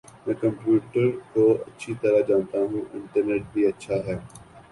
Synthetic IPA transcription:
mɛ̃ːkɐ̃mpjuːʈəɾkoːɐtːʃʰit̪ɐɾad͡ʒaːnt̪aɦũːʔɪ̃ɳʈəɾneːʈ̚biːɐtːʃʰaɦɛː

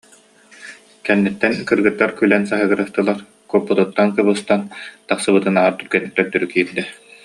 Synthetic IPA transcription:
kɛnːɛt̪ːɛnkɯɾɡɯt̪ːaɾkylɛnsaɦɯɡɯɾast̪ɯlˠaɾ | kuɔpːɔt̪ut̪ːankɯβɯst̪ant̪aχsɯbɯt̪ɯnaɦaɾt̪yɾɡɛnik̚t̪œɾt̪ːœɾykiːɾd̪ɛ

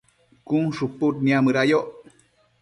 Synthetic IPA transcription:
kuŋʂuput̪niamɨɾajoʔ

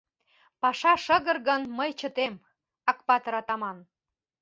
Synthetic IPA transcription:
pɑʃɑʃə̆ɣə̆rɣənməjt͡ɕə̆t̪em | ɑkpɑt̪əɾɑt̪ɑmɑn

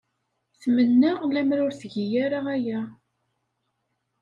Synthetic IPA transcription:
θmənːaʁlæmɾʊɾθʝijæɾaæjæ

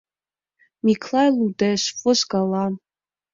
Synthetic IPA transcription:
mikʰlajludeʃfʼʊzɡalan

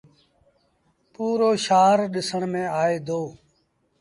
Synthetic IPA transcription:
puːɾoːʃaːɾɗɪsəɳmẽːaːeːd̪oː

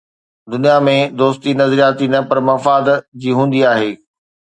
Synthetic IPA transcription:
d̪ʊnijamẽd̪oːst̪inɐzəɾijaːt̪inɐpɐɾmɐfaːd̪d͡ʑiːɦũːnd̪iaːɦeː

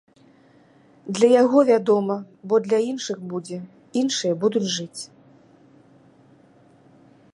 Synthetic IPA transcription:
d̪lʲɐjaɣɔvʲad̪ɔmɐ | bɔd̪lʲainʂɨɣbud͡zʲɛ | inʂɨjɐbud̪ut͡sʲʐɨt͡sʲ

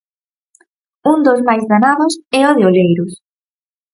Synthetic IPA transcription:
und̪ozmajzðanaðʊsɛoðeolejɾʊs

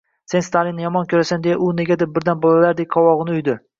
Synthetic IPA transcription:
se̞nst̪ʰalinːɪjɒmɒnkʲʰɵɾasand̪ejaʔʊne̞ɡʲad̪ep̚bɪɾd̪anbolˠalaɾd̪ek̚ʲqʰɒwɒʁɨnɪʊjd̪ɪ

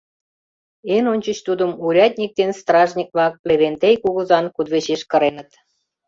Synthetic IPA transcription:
enonʲt͡ɕə̆t͡ɕt̪ud̪ə̆muɾʲɑt̪ʲnʲik̚d̪enst̪rɑʒnʲik̚blɑk̚pleβent̪ejkuɣə̆zɑnkud̪βeɕeʃkə̆ɾenə̆t̪

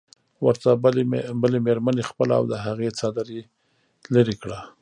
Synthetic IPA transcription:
wəɾt̪abəlemeɾmanexpəlaa̰wd̪əɦaɣet͡sɑd̪aɾe | laɾikɽa

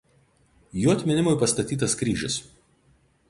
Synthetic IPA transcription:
juːɐt̪ʲmʲɪnʲɪmʊɪpɐst̪ɐt̪ʲiːt̪ɐskɾʲiːʒʲɪs

